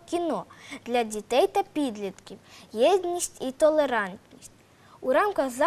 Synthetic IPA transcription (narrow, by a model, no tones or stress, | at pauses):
kʲinɔd̪̥lʲɐdʲit̪ɛjt̪ɐpʲid̪lʲid̪kʲiwjɛd̪ʲnʲisʲtʲit̪ɔlˠeɾɑnt̪nʲisʲtʲ | uɾɑmkɐɣzɑ